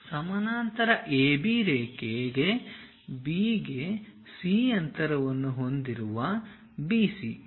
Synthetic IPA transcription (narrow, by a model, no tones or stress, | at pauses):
sɐmɐnaːnt̪ɐɾɐʔeːbiɾeːkeːɡe̞ | biːɡe | siːɐnt̪ɐɾɐʋɐnːuɦo̞nd̪iɾuʋɐ | biːsḭ